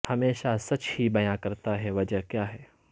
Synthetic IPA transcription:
hɐmeːʃasɐt͡ʃhibɐjãkɐɾt̪aɦɛʋɐd͡ʒəɦkjaːɦɛː

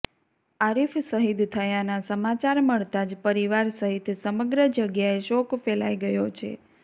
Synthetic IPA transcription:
aɾifsəɦid̪t̪ʰəjanasəmat͡ʃaɾməɭt̪ad͡ʒpəɾiʋaɾsəɦit̪ʰsəməɡɾəd͡ʒəɡjaeʃokfela̰iɡəjot͡ʃʰḛ

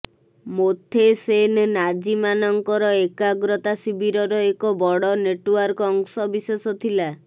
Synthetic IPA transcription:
mot̪ʰːesennad͡ʒimanɔŋkɔɾɔekaɡɾɔt̪asibiɾɔɾɔekɔbɔɽɔneʈuaɾkɔɔŋsɔbisesɔt̪ʰila

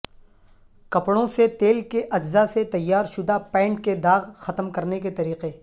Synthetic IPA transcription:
kɐpɽõset̪eːlkeʔɐd͡ʒzaset̪ɐjːaːɾʃʊd̪apɛ̃ːɳʈked̪aːɣxɐt̪əmkɐɾneket̪ɐɾiːqe

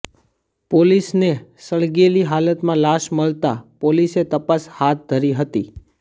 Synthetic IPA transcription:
polisnesəɭɡeliɦalət̪mãlaʃməɭt̪apoliset̪əpashat̪̚ʰd̪ʱəɾiɦət̪i

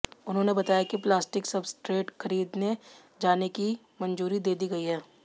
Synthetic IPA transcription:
ʊnɦõnebɐt̪aːjakiplaːsʈɪksɐbsʈɾeːʈxʰɐɾiːd̪ne | d͡ʒaːneki | mɐ̃nd͡ʒuːɾid̪eːd̪iɡɐiɦɛː

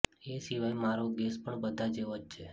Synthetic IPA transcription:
esiʋajmaɾoɡɛspəɳbəd̪ʱad͡ʒeʋod͡ʒt͡ʃʰe

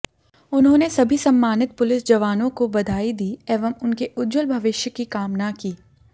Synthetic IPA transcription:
ʊnɦõːnesɐbʱisɐ̃mːaːnɪt̪̚pʊlɪsd͡ʒɐʋaːnõkobɐd̪ʱaːid̪iːeːʋəmʊnkeʔʊdd͡ʒəlbʱɐʋɪʃjəkikaːmnakiː

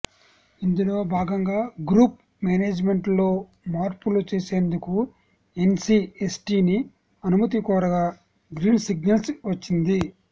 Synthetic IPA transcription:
ind̪ulo̞ːbʱaːɡɐŋɡaːɡɾuːp̚ | maːneːd͡ʒme̞ɳʈlo̞ː | maːɾpulut͡ʃe̞ːse̞ːnd̪uku | e̞nsiːesʈiːni | ɐnumɐt̪̬ikɔːɾɐɡaː | ɡɾiːnsiɡnɐlsʋɐt͡ʃːind̪i

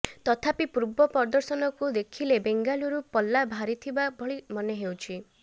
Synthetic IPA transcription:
t̪ɔt̪ʰapipuɾbɔpɔɾd̪ɔɾsɔnɔkud̪ekʰilebeŋɡaluɾupɔlːabʱaɾit̪ʰibabʱɔɭimɔneɦewt͡ʃʰi

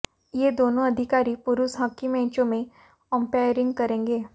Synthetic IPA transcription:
jeːd̪oːnõɐd̪ʱɪkaːɾipʊɾuːsɦakːimẽːt͡ʃõmẽ | kɔ̃ːmpeːjɾɪ̃ŋɡkɐɾẽːŋɡeː

